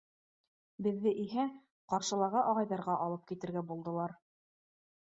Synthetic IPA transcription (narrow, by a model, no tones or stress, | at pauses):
bɘ̆ðːɘʔiɦæ | qɑɾʃɤ̆lˠɑɾʁɤʔɑʁɑjðɑɾʁɑʔɑlˠɤp̚kit̪ɘ̆ɾɡæbulˠd̪ɤ̆lˠɑɾ